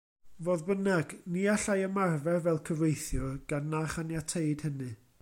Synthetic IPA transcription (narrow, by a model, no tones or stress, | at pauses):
voːðbənaɡniaɬajəmarvɛrvɛlˠkʰəvejθjʊɡ̥anːaχanjatʰejd̥hənɨ